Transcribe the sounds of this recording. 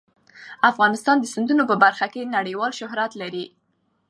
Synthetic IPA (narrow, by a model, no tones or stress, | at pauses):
afɣɑnɪst̪ɑnd̪əsɪnd̪unopəbaɾxakenaɽəjwɑlʃʊɦɾat̪laɾi